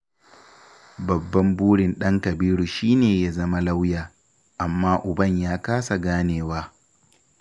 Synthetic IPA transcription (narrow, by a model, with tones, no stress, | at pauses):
bɐ˨bːɐ˦mbuː˦ɽɪ˨nɗɐ˦ŋkɐ˨biː˦ɽu˨ʃiː˦neː˨jaː˦zɐ˦ma˦la˦wjaː˨ | ʔa˨mːaː˦ʔʊ˨bɐ˦˨ɲjaː˦kaː˦sa˨ɡaː˦neː˨waː˦